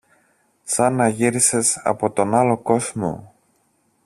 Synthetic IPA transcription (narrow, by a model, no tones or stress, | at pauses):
sɐnɐʝiɾise̞sɐ̰po̞t̪o̞nɐlo̞ko̞zmo̰